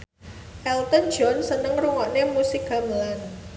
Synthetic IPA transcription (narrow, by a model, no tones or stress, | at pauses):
ʔɛlt̪ən̥d͡ʒɔnsənəŋruŋɔʔnemusik̚ɡa̤məlan